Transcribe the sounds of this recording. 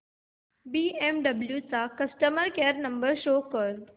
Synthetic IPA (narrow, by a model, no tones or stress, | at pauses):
biːemɖɐbljut͡sakɐsʈəməɾkeːəɾnɐ̃mbəɾʃoːkəɾ